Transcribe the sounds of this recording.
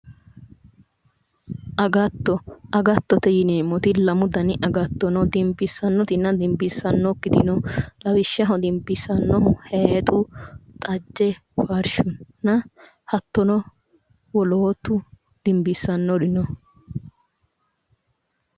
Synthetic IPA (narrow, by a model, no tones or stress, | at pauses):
ʔɐɡɐt̪ːɔɐɡɐt̪ːɔt̪ɛjɪneːmːɔt̪ɪlɐmʊd̪ɐnɪʔɐɡɐt̪ːɔnɔd̪ɪmbɪsːɐnːɔt̪ɪnːɐd̪ɪmbɪsːɐnːɔkːɪd̪ɪnɔlɐwɪʃːɐɦɔd̪ɪmbɪsɐnːɔɦʊheːt̪ʼʊt̪ʼɐd͡ʒːɛfɐɾʃʊnːɐ | hɐt̪ːɔnɔ | wɔloːt̪ːʊ | d̪̥ɪmbɪsːɐnːɔd̪ɪnɔ